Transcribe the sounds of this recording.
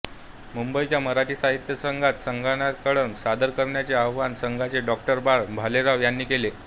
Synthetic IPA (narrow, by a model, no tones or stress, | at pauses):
mumbəit͡ɕjaməɾaʈiːsaɦit̪jəsəŋɡʱat̪səŋɡʱaɳjat̪̚kəɽənsad̪əɾkəɾɳjat͡seaʋʋansəŋɡʱat͡seɖɔk̚ʈəɾbaɭbʱaleɾaʋjanːiːkele